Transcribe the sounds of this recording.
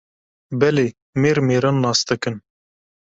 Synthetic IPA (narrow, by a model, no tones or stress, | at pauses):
bɛleː | meːɾmeːɾɑnːɑːsd̪ɨkɨn